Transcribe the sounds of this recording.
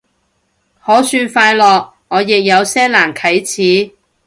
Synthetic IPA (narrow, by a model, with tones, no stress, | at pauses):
hɔː˨˥syː˧nfaː˧jlɔː˨k̚ | ŋɔː˨˧jɪ˨k̚jɐ˨˧wsɛː˥laː˨˩nkʰɐ˨˥jt͡sʰiː˨˥